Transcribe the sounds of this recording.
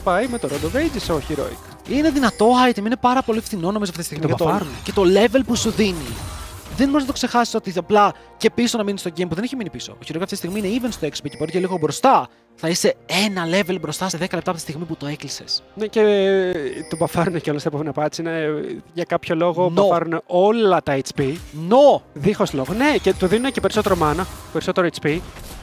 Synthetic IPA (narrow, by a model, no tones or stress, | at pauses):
pɐjmet̪oɾod̪ovejd͡zisoçiɾo̰ḭk | ine̞ðinɐt̪o̞ɐjt̪emninepɐɾɐpo̞liefθino̞nomizoɐft̪it̪ist̪imiɐɐt̪oɐɾunecet̪o̞le̞ve̞lpusuðiniðenmznɐt̪okse̞xɐsi̥so̞t̪iɐplɐ | ce̞piso̞nɐminist̪o̞ɟempuðeeçiminipiso̞̰oçiɾo̞ikɐft̪it̪isiɣmiine̞ivenst̪oekso̥poceboɾiceliɣo̞bɾo̞st̪ɐ | θɐise̞e̞nɐle̞velbɾost̪ɐseðe̞kɐlept̪ɐpt̪ist̪iɣmiput̪o̞e̞klise̞̰snece | t̪obɐfɐɾuneceolɐst̪ɐpovinɐpɐsineʝɐkɐpço̞lo̞ɣo̞nbɐfɐɾuneʔo̞lɐt̪ɐet͡spinoðixosloɣonecet̪uðinunecepeɾiso̞t̪eɾomɐnɐpeɾiso̞t̪e̞ɾoet͡spi